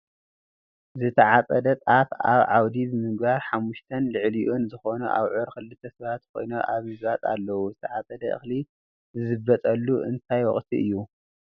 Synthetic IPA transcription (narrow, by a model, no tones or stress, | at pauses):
zɨt̪ʰɐʕat͡sʼɐd̪ɐt̪ʼafa̰βʕawd̪izɨmɨɡbaɾħamːuʃt̪ʰɐnlɨʕliʔonzɨxo̞nuʔa̰βʕoɾkɨlːɨt̪ʰːɐsɐβat̪kʰo̞̰jnoʔaβmɨzβat̪ʼa̰lːɐwuzɨt̪ʰɐʕat͡sʼɐd̪ɐʔɨ̰xli | ɨzɨbːɐt̪ʼɐlːuʔɨ̰nt̪ʰajwɔ̰χʼt̪ʰiʔɨjːu